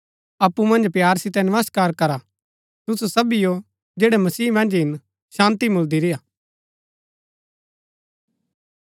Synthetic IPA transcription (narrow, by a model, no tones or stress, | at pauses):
ɐpːumɐ̃nd͡ʒpjaːɾsɪt̪ɛnɐʋəskaːɾkɐɾa | t̪ʊsusɐbijo | d͡ʒeːɽɛmɐsiːmɐ̃nd͡ʒɦɪn | ʃãːnt̪imʊld̪iɾɪjaː